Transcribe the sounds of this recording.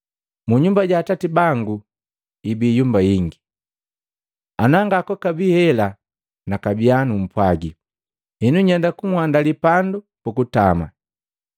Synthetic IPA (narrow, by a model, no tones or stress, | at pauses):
muɲumbaɟaːtatibaŋɡu | ibijumbajiŋɡi | anaŋɡakɔkabihɛla | nakabianum̩pwaɡi | hɛnuɲɛndakuŋwandalipandu | pukutama̰